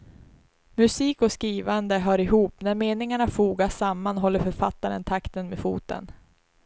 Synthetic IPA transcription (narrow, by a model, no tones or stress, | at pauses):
mɵsiːkɔskɾiːvand̪əɦœːɾɪɦuːpnæɾmeːnɪŋaɳafuːɡaʂamːanɦɔlːəɾfœɾfat̪ːaɾə̰nt̪ʰakt̪ənmeːfṵːt̪ə̰n